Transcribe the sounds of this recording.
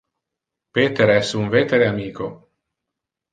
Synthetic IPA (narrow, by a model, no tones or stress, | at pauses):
pet̪eɾɛsuɱvet̪eɾeamiːko